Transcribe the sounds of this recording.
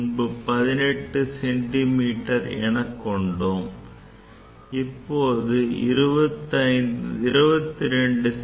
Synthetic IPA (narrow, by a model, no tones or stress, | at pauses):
nbɯpɐðɪnɛʈːɯsɛɳʈimiːʈːɐɾɛ̰ɳɐkːɔɳɖoːm | ɪpːoːðɯɪ̰ɾɯbɐt̪ːɐɪɪɾɯbɐt̪ːɪɾɛɳɖɯ